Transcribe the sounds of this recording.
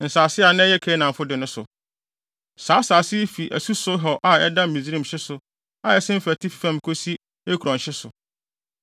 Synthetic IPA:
n̩˨saː˨sɪ˦a˨nɪ̃˦ɛ˦jɛ˦kʰɛ˦nã˨m˨fʊ˦dɪ˨nʊ̃˦sʊ˨ | saː˨˦saː˨sɪ˦fi˨ʔæ̰˨su˦sʊ˦ɦɔ˨ʔa˨ɛ˦dã˦mĩ˨zɾĩ˦˨m˨ɕɪ˦sʊ˨ | a˨ɛ˦sɪ̃˦m̩˦fæ˨tʰɪ˦fi̥˨fɛ̃˦˨mkʰo˦si˦ | e˦kʰu˨ɾɔ̃˨n˨ɕɪ˦sʊ˨

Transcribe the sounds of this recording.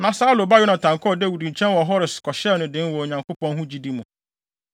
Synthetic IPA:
nã˨saː˦lo˨ba˦jʊ˦nã˨tʰã˨ŋkʰɔ˦˨dɛ˦˨wu˨dĩ˨ɲ̩˨t͡ɕʰɛ̃˦nwɔ˨ɦɔ˦ɾɪ˨skʰɔ˨ɕɛ˦nʊ̃˨dɪ̃˦nwɔ˨ɲã˨ŋko˦pɔ̃˦nhũ˦d͡ʑi˦di˦mũ˨

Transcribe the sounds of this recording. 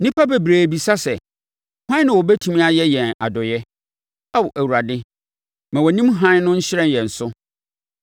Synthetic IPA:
nĩ˦pʰa˦be˨bɾeː˨bi˨sa˦sɛ˨ | hã˦nɪ̃˨wɔ˨bɛ˦tʰũ˨mĩ˦a˨jɛ˦jɛ̃˨na̰˨dɔ˨jɛ˦ | a˦wʔæ˨wu˨ɾa˨dɪ˦ | mã˨wɔ˨nĩ˦mɦã˦n˦nʊ̃˦ɲ̩˦ɕɪ˦ɾɛ̃˦n˨jɛ̃˨n̩˨sʊ˦

